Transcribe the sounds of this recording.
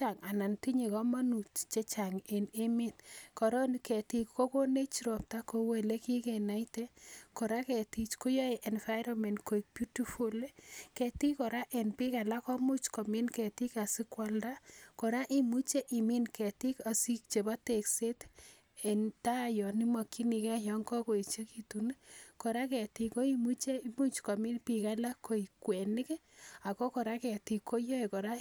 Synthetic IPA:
t͡ʃa˨ŋa˨na˨nti˦ɲe˨kɔ˦ma˦nu˨t͡ʃt͡ʃe˦t͡ʃa˨ŋe˨ne˦mi˦nkɔ˨ɾɔ˦nikɛ˨ti˦kko˦ko˦ne˦t͡ʃɾɔ˨p̚ta˦ko˦we˨le˦kɪ˦kɛ˨na˨ite˦kɔ˨ɾa˦kɛ˨ti˦t͡ʃko˦jɔ˦e˨ʔɛ˨nfa˦ɪɾɔ˦mɛ˨ndko˨i˨k̚pju˦ti˦fu˦le˦kɛ˨ti˦kɔ˨ɾa˦ʔɛ˨npɪ˦ka˨la˦kɔ˦mu˦t͡ʃkɔ˨mi˦nkɛ˨ti˦ka˨sɪ˦kwa˦lda˦kɔ˨ɾa˦ʔi˦mu˦t͡ʃe˦ʔi˨mi˦nkɛ˨ti˦ka˨si˦k̚t͡ʃe˨ba˦te˨kse˦t | e˨nta˦˨jɔ˨ni˦mɔ˨ki˦ni˨kɛ˦jɔ˨ŋkɔ˦ko˨i˨t͡ʃe˦ki˨tu˨nkɔ˨ɾa˦kɛ˨ti˨ko˦i˦mu˦t͡ʃe˦i˦mu˦t͡ʃkɔ˨mi˦npi˨ka˦la˦ko˨i˨kwɛ˨nɪ˦k | a˨ko˦kɔ˨ɾa˦kɛ˨ti˨ko˦jo˦e˨kɔ˨ɾa˦

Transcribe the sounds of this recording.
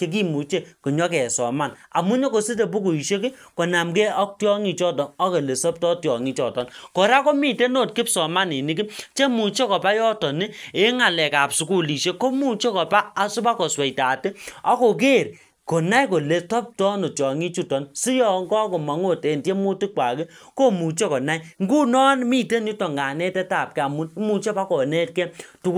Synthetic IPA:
t͡ʃe˦k̬i˦mu˨t͡ʃe˦ko˨ɲɔ˦kɛ˨sɔ̰˨ma˦˨na̰˨mu˦ɲɔ˦ko˨si˦t̬e˨bu˦ku˨i˨ʃe˦kɪ˦ko˨na˨mke˦ɔ˦k̚tjɔ˦ŋi˨t͡ʃɔ˦tɔ˨nɔ˦ke˨le˨sɔ˦p̚tɔ˦tjɔ˨ŋi˦t͡ʃɔ˦˨tɔ˦nkɔ˨ɾa˦kɔ˦mi˨te˦no˦˨t̚kɪ˦psɔ˨ma˦ni˨ni˦kɪ˦t͡ʃe˦mu˨t͡ʃe˦kɔ˨pa˦jɔ˦tɔ˨nɪ˦e˦ŋa˨lɛ˨ka˨p̚su˨˦ku˦li˨ʃe˦ko˦mu˦t͡ʃe˦kɔ˨paː˦˨su˦ba˦kɔ˨swɛ˨ta˨te˦a˨ko˨k̬e˦˨ɾ | kɔ˨na˦i˦ko˨le˨tɔ˦p̚tɔ˦no˨tjɔ˨ŋi˦t͡ʃu˦˨tɔ˨nsi˦jɔ˨ŋɡɔ˦ko˨ma˨ŋo˦˨te˨nte˦mu˦ti˦kʷwa˨ke˦ko˦˨mu˨t͡ʃe˦kɔ˨na˦iŋ˦ɡu˦nɔ˦nmi˦˨te˦nu˦tɔ˨ŋɡa˨nɛ˦tɛ˦ta˦˨p̚kɛ˨˦a˨mu˦n˦mu˨t͡ʃe˦pa˦kɔ˨ne˦t̚kɛ˦tu˦

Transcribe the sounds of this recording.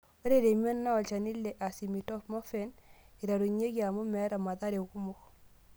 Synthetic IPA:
o˦ɾe˨ɾe˨me˦nːa˦ɔ˨lt͡ʃa˨ni˦lːe˨ʔa˨si˨mi˨tɔ˦pmɔ˦fɛ˦ni˨ɾa˨ɾu˨ɲe˦kia˨mʊ˦mɛ˨˦ɾa˨ma˨ta˦ɾe˨ku˦mʊ˦k

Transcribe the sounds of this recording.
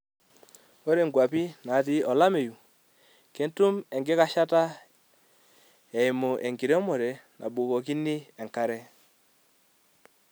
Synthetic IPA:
o˦ɾe˨ŋɡwa˨pi˦na˨ði˨ɔ˨la˦me˨ju˨ | ke˨˦ntu˦mɛ˨ŋɡe˦ka˦ʃa˦ta˦ | ɛ˨i˨mo˨ʔɛ˨ŋɡi˨ɾɔ˦mo˨ɾɛ˨nʔa̰˨ɓo˨kɔ˨ki˦ni˦ɛ˨ŋka˦ɾɛ˦

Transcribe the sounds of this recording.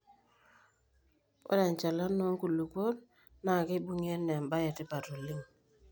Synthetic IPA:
o̰˦da˨ɲ˨t͡ʃa˨la˦no˦ŋ˦ku˨lu˨ko˦n | na˨kɪ˦bu˦ŋe˦nːɛ˨mba˦je˨tɪ˦pa˨to˨lɪ˦ŋ

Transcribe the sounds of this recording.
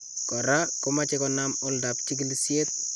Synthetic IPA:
kɔ˨ɾa˦ko˦mat͡ʃe˦kɔnamʊlda˨p̚t͡ʃi˦ki˦lisje˦t̪̚

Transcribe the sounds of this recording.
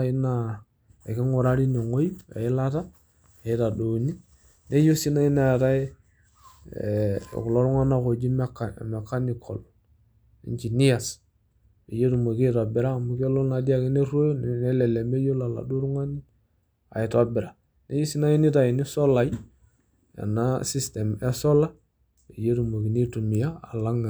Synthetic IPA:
i˦na˨ | ḛ˨kɪ˦ŋu˨ɾa˦ɾi˦ne˨ŋo˦ji˦ḛ˨ɪ˦la˦ta˦ | e˨i˦ta˨do˨ni˦ | ne˦jo˦si˦na˦i˦na˦˨ta˦˨ | ku˨lo˦ɾu˦ŋa˦na˦ko˨d͡ʒi˦m˦kme˨ka˦ni˨kʰɔ̰˨l | ḭ˦ɲt͡ʃi˨ni˦ja˨s | e˨je˦ɾu˨mo˨ki˦to˨bi˨ɾa˦mu˨ko˦lo˦na˨di˦a˦ki˦ne˦ɾo˦nne˦le˨le˨me˦jo˦la˨la̰˨du˦ɾu˦ŋa˦ni˦ | a̰˨i˨to˦bi˨ɾa˨ | ne˦ju˦si˦na˦ji˦ni˦ta˨ji˨ni˦so˦la˨j | a̰˨na˦si˦ste˨me˦so˦la˦ | e˨je˦ɾu˨mo˨ki˨ni˦tu˨mi˨jaː˦˨la˦ŋa˨

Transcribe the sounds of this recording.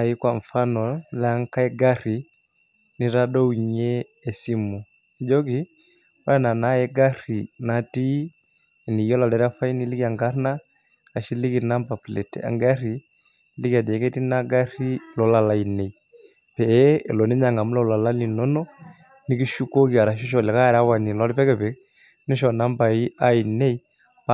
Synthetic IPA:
ai˦kwaɱ˨fa˦nɔla˦ŋka˦ɛ˦ɡa˦ɾi˨ | ni˨ɾa˦dɔ˦iɲɛː˦˨si˦mu˨d͡ʒɔ˦ki˦wa˦˨na˨naɛ˦ɡa˦ɾi˨nati˦ | ɛ˨ni˨ɔ˦la˨lɛ˨ɾa˦fa˦i˦nili˦ka˨ŋɡa˦ɾnaka˨ʃi˦li˦ki˨na˦mpa˨flɛ˨tɛ̰˨a̰˨ŋɡa˦ɾi˨li˦ka˨di˨ɛ˨kɛ˦ti˦naɡa˦ri˦lɔ˨la˨la˨i˨nɛ˨i˨pɛ̰˨˦˨lɔ˨nɛ˦ɲa˨ŋɡa˨mu˦lɔ˦la˨la˦li˨nɔ˦nɔ˦ | ni˦ki˦ʃu˦kɔ˦ki˨a˨ɾa˨ʃ̬i˦ʃɔ˨lɛ˨ka˦˨ɾa˦wa˨ni˨lɔ˦ɾipɛ˦kɛ˨pɛ˨ni˦ʃɔ˨na˦mba˨i˦ʔa˦i˨nɛ˦i˦

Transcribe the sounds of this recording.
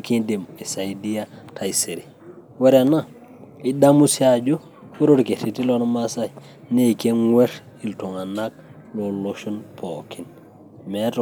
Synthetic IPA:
ki˦de˨mi˨sa˨idi˦a˦tʰa˨i˨se˨ɾi˨ | we˦ɾe˨na˦ | i˦da˦mu˦sia˨d͡ʒo˦ | we˦ɾo˦ɾke˨ɾi˨ti˦lo˦nma˦sa˦i˨ | ne˦ke˦ŋwe˦ɾ | i˨lto˨ŋa˨na˦k̚ | lo˨lo˦ʃu˦npʰo˨ki˨n | me˦to˨

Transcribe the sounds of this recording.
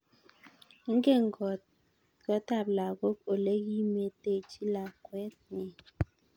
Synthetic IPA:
ŋ̩˦ɡe˦˨ŋ˨ɡɔ˨t̚ | kɔ˨˦ta˦˨p̚la˨ɣo˦k̚o˨le˦ɣi˦me˨te˦˨t͡ʃi˦la˨kwɛ˦t̚ni˨

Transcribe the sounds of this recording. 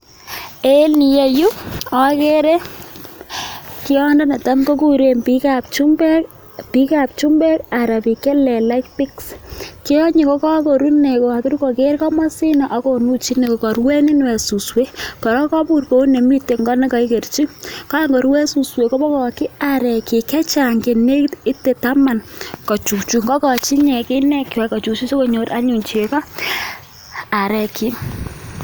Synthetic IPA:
e˦lni˨je˨ju˦ɔ˦ke˦ɾe˦ | ki˦ɔndɔ˦ne˨ta˦mko˦ku˨ɾe˨mpikap̚t͡ʃu˦mbɛ˦k | pi˦ka˨p̚t͡ʃu˦mbɛ˦ka˨ɾa˨pi˨ke˦lɛ˨la˦kpi˦kski˦ɔ˦ɲi˨ko˦kɔ˦ko˨ɾu˦ne˨ko˨a˨kɪ˦ɾko˨ke˦ɾkɔ˦ma˦si˦na˨ʔa˨ko˨nu˦t͡ʃi˦ne˨ko˨kɔ˨ɾwe˦ni˦n˦wɛ˨su˨swe˦kɔ˨ɾɔ˦kɔ˦pu˦˨rko˨˦ne˨mi˦te˨ŋɡɔ˦nɛ˦kɔ˨i˦ke˨rt͡ʃi˦kɔ˦a˦ŋɡɔ˨ɾwɛ˦su˨swe˨kɔ˦bɔ˦kɔ˨kɪ˦a˨ɾɛ˨ki˨kɛ˦t͡ʃa˨ŋke˨ne˦kti˦te˨ta˦ma˨nkɔ˨t͡ʃu˨kt͡ʃu˨ŋɡɔ˦kɔ˨t͡ʃi˦ɲɛ˨kɪ˦nɛ˦kwɛ˨kɔ˨t͡ʃu˨t͡ʃi˦se˦ko˦˨ɲo˨ta˦ɲu˨ɲt͡ʃe˨kɔ˦ | a˨ɾɛ˨ki˨

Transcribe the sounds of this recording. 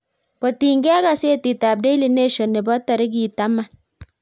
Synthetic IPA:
kɔ˨ti˨ŋɡɛ˦a˦ɡa˨se˦ti˨ta˨b̚de˦i˦li˨ne˦ʃɔ˨nːɪ˨bɔ˦ta˨ɾɪ˦ɡi˨ta˦ma˦˨

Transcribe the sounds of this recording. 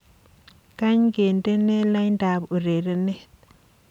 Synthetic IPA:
ka˦ɲɡe˨nde˦ne˦la˦jnda˨bu˨ɾe˨ɾe˦ne˦

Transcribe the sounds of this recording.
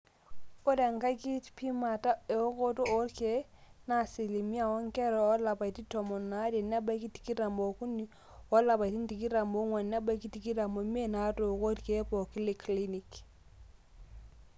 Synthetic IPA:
o˦ɾe˨ŋka˦ki˦tpi˦ma˨ta˦e˨o˦ko˦to˦o˦ɾke˨˦ | na˨si˨li˨mi˦a˦˨wɔ˦ŋ˦kɛ˦ɾɔ˨ɔ˦la˨pa˨i˨ti˦tɔ˨mɔ˨nːa˨˦de˨na˦ba˦ki˦ti̥˨ki˦ɾa˨mbɔ˨ku˦ni˦ | ɔ˦la˨pa˨ti˦n˦ti˨ki˦ɾa˨mbo˦ŋwa˨na˦ba˦ki˦ti˨ki˦ɾa˨mbo˨mi˦e˦˨na˨˦to˨ko˦ɾke˨˦pɔ˨ki˦li˨kʰli˦ni˨k

